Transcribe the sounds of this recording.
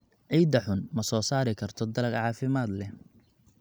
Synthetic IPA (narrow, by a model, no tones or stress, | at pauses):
ʕiːd̪ɐħʊnmɐsɔːsaːɾɪkʰɐrt̪ʰɔd̪ɐlɐɡʕɑːfɪmaːd̪lɛ